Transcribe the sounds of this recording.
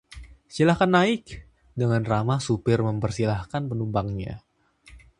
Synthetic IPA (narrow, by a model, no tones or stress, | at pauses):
silahkanːaɪk | dəŋanramasupɪrməmpərsilahkanpənumbaŋɲa̰